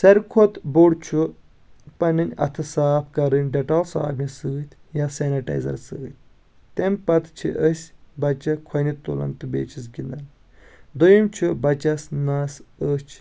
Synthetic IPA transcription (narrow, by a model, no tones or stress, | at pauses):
sɐɾkʰot̪boɽt͡ʃʰu | pɐnɨnʲɐ̰t̪ʰɨsaːpkɐɾɨnʲɖɐʈɐlsa̰ːbmisɨːɨt̪ʲʰjasenɐʈɐ̰jzɐ̰ɾsɨːɨt̪̚ʰʲ | t̪empɐt̪ʰt͡ʃʰḭʔəsʲbɐt͡ʃɐkʰɐnit̪olɐ̰nt̪ɨbḛːt͡ʃʰisɡʲind̪ɐn | d̪ojimt͡ʃʰubɐt͡ʃɐsnaːsəːst͡ʃʰ